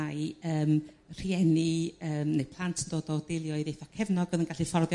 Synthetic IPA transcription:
aɨəːm | r̥iɛniəːmnejpʰlˠantʰəndoːdɔd̥elˠjɔɨðejθɔkʰɛvnɔɡəðənɡaɬifɔrðj

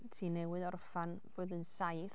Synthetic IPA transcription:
tʰiːnɛwɨðɔrfan | v̥oːðənsajθ

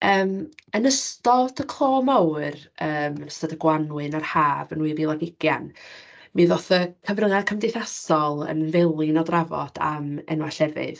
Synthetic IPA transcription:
əːmənəstɔdʰəkʰl̥ˠɔːmawrəːmənəstɔdəɡwanwɨnarhaːvənwɨrilˠaɡɪɡ̥jan | mɨðɔθəkʰəvrəŋakʰəmdɪθasɔlˠə̰nvɛlˠɨnɔdravɔ̰d̥a̰mɛ̰nwaɬɛvɨ̰ð

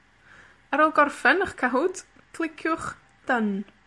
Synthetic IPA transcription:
əɾɔlˠɡɔrfɛnəχkʰaɦʊd | kʰlˠɪkʰjʊχ | d̥ən

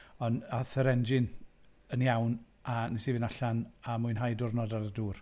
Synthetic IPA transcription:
ɔnaθəɾɛnd͡ʒɪn | ənjawn | anɛsivɪnaɬanamʊɨnɦajdʊrnɔdaɾəduːr

